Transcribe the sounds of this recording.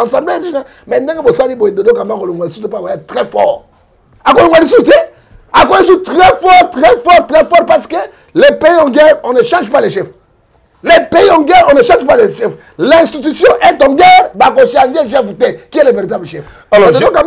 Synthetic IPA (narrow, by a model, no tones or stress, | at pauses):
ãsãbledina | mɛndɛ̃ɡebosaliboed̪odokãmakɔloŋwalisutepakajɛt̪ʁɛfɔʁ | akɔ̃loŋwalis̬ute | ak̬ɔlis̬utʁɛfɔʁt̪ʁɛfɔɾtʁɛfɔɾpasə̥ke | lepeiɔ̃ɡɛɾɔ̃neʃãʒpaleʃɛf | lepeiɔ̃ɡɛɾɔ̃neʃãʒpaleʃɛf | lɛɛ̃st̪it̪ysjɔ̃ʔɛtɔ̃ɡɛʁbak̬ɔ̃ʃãdelʃ̬ɛfutekiɛleveɾit̪̬ablʃɛf | d̪odokã